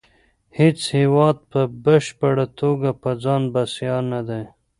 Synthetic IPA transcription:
het͡shewɑd̪̚pəbəʃpəɽat̪oɡapəd͡zɑnbasjɑnad̪e

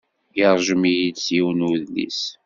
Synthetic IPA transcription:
jiɾˤʒəmijid̪sjiwnuðnḭs

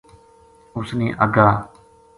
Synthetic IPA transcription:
ʊsniːʔəɡaː

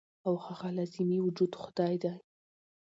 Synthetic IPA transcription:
awxaɣalɑzɪmiwʊd͡ʒud̪xʊd̪̥ɑjd̪aj

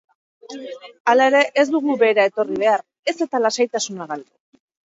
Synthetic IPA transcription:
alae̞ɾe̞ʔezd̪uɣube̞ːɾae̞t̪o̞riβ̞e̞ar | e̞se̞t̪alasajt̪asunaɣald̪e

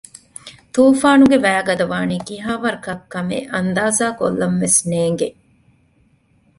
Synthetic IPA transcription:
t̪uːfaːnuɡeʋæːɡɐd̪ɐʋaːniːkiɦaːʋɐɾkɐkːɐmḛːʔɐnd̪aːzaːko̰lːɐmʋesneːŋɡe

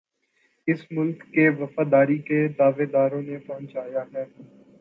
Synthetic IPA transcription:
ɪsmʊlkːeʋɐfaːd̪aːɾiked̪aːʋeːd̪aːɾõːnepɐɦʊ̃nt͡ʃaːjaːɦɛː

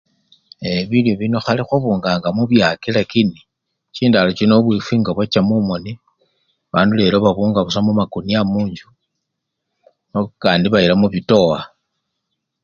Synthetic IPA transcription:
eβiljoβino̞xalixuβuːŋɡaːŋɡamuβjakilakini | t͡ʃiːndalot͡ʃinoβwifiŋɡaβwat͡ʃamumoni | βaːndule̞ːloβaβuːŋɡaβusamumakuniamuːɲd͡ʒu | nokaːndiβailamuβito̞wa

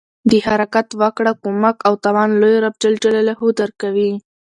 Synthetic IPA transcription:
d̪əhaɾakat̪wakɽakomakawt̪awɑnlojɾab̚d͡ʒald͡ʒalalahud̪aɾkawi

